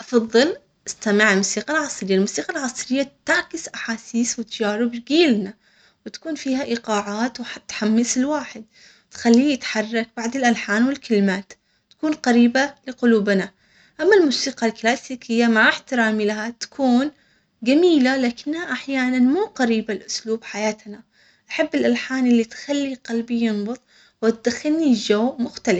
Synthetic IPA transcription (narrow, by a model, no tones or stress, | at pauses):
ʔɑfɑðˤːɨl | ʔɪst̪amɪʕɪlmusiːqɑlʕɑsˤɾɪjːalmuːsiːqalʕɑsˤɾɪjːat̪aʕkɪsʔaħaːsiːswɪt̪ad͡ʒaːɾɪbɾɪɡiːlna | wɪt̪ḁkuːnfiːhaʔɪqɑːʕaːt̪wħt̪ːħamːɪsɪlwaːħɪd̪̚ | t̪xalːiːjɪt̪ħɑrˤːɑk̚baʕd̪ɪlʔalħaːnwɪlkɪlmaːt̪ | t̪ḁkuːnqaɾiːbalɪqʊluːbna | ʔamːalmʊːsiːqɑlklaːsiːkʰɪjːamaʕɪħt̪ɪɾaːmilaɦat̪ḁkʰuːn | ɡamiːlalaːkɪnːhaʔaħjaːnanmuːqaɾiːbalʔʊsluːbħajaːt̪na | ʔaħabːɪlʔalħaːnʔɪlːit̪xalːiqalbijɨnbʊt̪ˤ | wɪt̪̚d̪axɪlnid͡ʒawmʊxt̪alɪf